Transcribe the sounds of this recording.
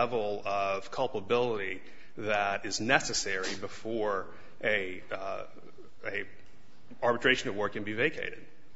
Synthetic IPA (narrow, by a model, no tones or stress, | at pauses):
ɛvl̩ˠʌv̥kʰʌlˠpəbɪlˠəɾi | ðɨɾɪznɛsɨsɛɹibəfɔɹ | ʔɨ | ɨ | ɑɹbətʰɹ̥eɪʃɨ̃n̩ʌvwɜ˞kːɨ̃n̩biveɪkʰḛɪɾɨ̰d̥̚